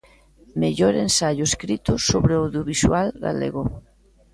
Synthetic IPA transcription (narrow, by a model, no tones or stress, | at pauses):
meʎoɾensaʎoeskɾit̪ʊsoβɾeoðjoβiswalɣa̰lḛɣo